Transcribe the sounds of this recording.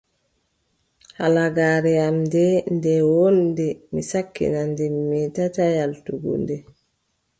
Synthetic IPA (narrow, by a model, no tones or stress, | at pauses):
halaɡaːɾɛamdɛndɛwondɛmisakːḭnandɛmːitatajaltuɡṵndɛ